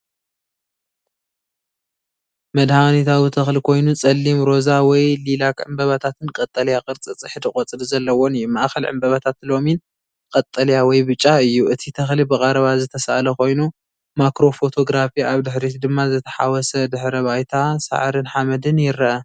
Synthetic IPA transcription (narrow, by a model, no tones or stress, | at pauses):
mɐd̪hanit̪ʰawit̪ʰɐxlikʰo̞jnut͡sʼɐlːimɾo̞zawɔjlilakʕɨmbɐβɐt̪ʰat̪ʰɨnkʼɐt̪ʼɐljakʼɨɾt͡sʼɨt͡sʼɨħɨd̪ɨkʼɐt͡sʼɨɾzɐlːɐwonɨjːumaʔxɐlʕɨ̰mbɐβɐt̪ʰat̪lo̞min | kʼɐt̪ʼːɐljawɔjbɨt͡ʃʼːaɨjːuʔɨt̪ʰit̪ʰɐxlibɨkʼɐɾɐβazɨt̪ʰɐsaʔalɐkʰo̞jnu | makɾo̞fot̪ʰo̞ɡɾafiaβd̪ɨħɾit̪d̪ɨmːazɨt̪ʰɐ̥ħa̰wɔsɐd̪ɨħɾɐβajt̪ʰasa̰ʕɾɨnħamɐd̪ɨnjɪɾɐʔɐ